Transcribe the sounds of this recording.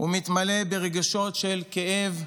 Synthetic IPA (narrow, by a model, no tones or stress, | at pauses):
umit̪male̞beʁeɡaʃo̞tʃelkeʔev